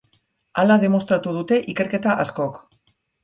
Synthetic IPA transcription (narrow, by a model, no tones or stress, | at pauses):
alaðe̞mo̞st̪ɾat̪uð̞ut̪e̞ʔike̞ɾke̞t̪aʔasko̞k